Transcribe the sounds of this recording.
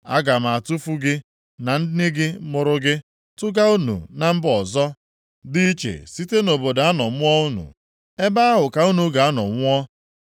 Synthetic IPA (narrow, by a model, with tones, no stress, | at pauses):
a̰˦ɡa˨m̩˨a˨tu˦fu˦ɡɪ˦ | na˨n̩˦dɪ˦nɪ˦ɡɪ˦mʊ˨ɾʊ˦ɡɪ˦ | tʊ˦ɡa˦u˦nṵ˨na˨m̩˦bɔ˨zɔ˦ | dɪ˦i˦t͡ʃḛ˨si˦te˦no˨bo˨da˦nɔ˨mʊ˦ɔ˦u˦nṵ˨ | e˦ba˦a˦ɦʊ˨ka˨u˦nu˨ɡa˨a˦nɔ̰˨ŋʷ˦ɔ˦